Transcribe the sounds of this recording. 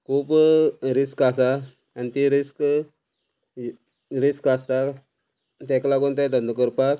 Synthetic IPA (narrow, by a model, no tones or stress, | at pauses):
kʰupɾiskasa | anit̪iɾisk | ɾiskast̪a | t̪ɛklaɡunt̪ad̪ənd̪əkəɾpak